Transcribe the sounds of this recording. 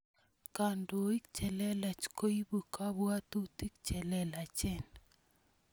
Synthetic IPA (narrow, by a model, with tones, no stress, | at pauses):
ka˨ndo˨i˦k̚t͡ʃɛ˨lɛ˦la˨t͡ʃko˦i˦bu˨ka˦bwa˦t̪u˦t̪i˦kt͡ʃɛ˨lɛ˦la˨t͡ʃɛ˦˨n